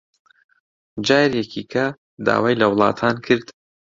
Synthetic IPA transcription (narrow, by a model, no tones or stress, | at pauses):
d͡ʒaːjɾjɛkʰikʰɐ | d̪a̰ːwaːjlɐwlˠɑ̰ːt̪ʰaːnkʰɨɾd̪